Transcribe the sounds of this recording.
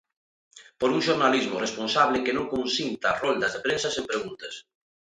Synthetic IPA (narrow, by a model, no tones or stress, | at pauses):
poɾuŋʃoɾnalizmorespõnsaβlekenõŋkõnsint̪arɔld̪azðepɾẽnsasẽmpɾeɣ̞unt̪ɐs